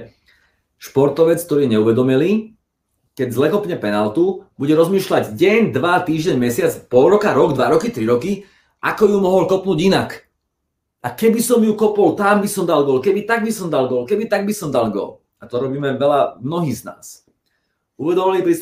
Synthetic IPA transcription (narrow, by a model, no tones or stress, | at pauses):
ʃpɔɾt̪ɔʋɛt͡sk̚t̪ɔɾiːɲɛuʋɛd̪ɔmiliː | kɛɟzlɛkɔpɲɛpɛnalt̪ubuɟɛɾɔzmiːʃlaɟɟɛɲd̪ʋat̪iːʒɟɛɲmɛsɪat͡spɔlɾɔkaɾɔɡd̪ʋaɾɔkit̪ɾiɾɔki | ʔakɔjumɔɦɔlkɔpnuːɟinak | ʔakɛbisɔmjukɔpɔlt̪ambisɔmd̪alɡɔlkɛbit̪aɡ̚bisɔmd̪alɡɔlkɛbit̪aɡ̚bisɔmd̪alɡɔ̰l | at̪ɔɾɔbiːmɛʋɛlamnɔɦiːzna̰ːs | uʋɛd̪ɔmilipɾis